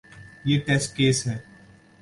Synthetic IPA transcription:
jeːʈɛːsʈ̚keːsɦɛː

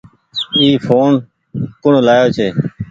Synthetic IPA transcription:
iːfʰoːn | kʊɳlaːjoːt͡ʃʰeː

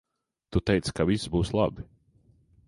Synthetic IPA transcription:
t̪ut̪ɛjt̪skavisbuːslˠa̰bi

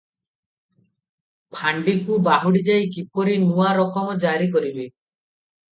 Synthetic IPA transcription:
pʰaɳɖikubaɦuɽid͡ʒajkipɔɾinuwaɾɔkɔmɔd͡ʒaɾikɔɾibe

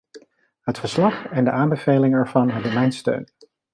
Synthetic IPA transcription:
ɦətfəɹslɑχɛndəʔaːmbəv̥ejlɪŋɛɹvɑnɦɛbənmɛjnstø̰ɥn

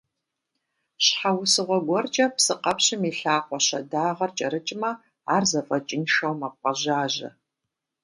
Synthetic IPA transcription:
ɕħawsɨʁʷɔɡʷɔrt͡ʃʼɐpsɨqɐpɕɪmiːɬaːqʷʼɔɕɐ̰daːʁɐrt͡ʃʼɐɾɨt͡ʃʼmɐ | aːrzɐfʼɐt͡ʃʼɪnʃɐwmɐq̚ʷʼɐʑaːʑɐ̰

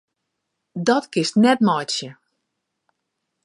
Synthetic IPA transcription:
dɔtkɪstnɛtmɔjtsjə

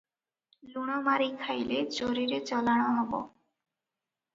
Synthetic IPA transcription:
luɽ̃amaɾikʰajlet͡ɕoɾiɾet͡ɕɔlaɽ̃oɦɔbo̰

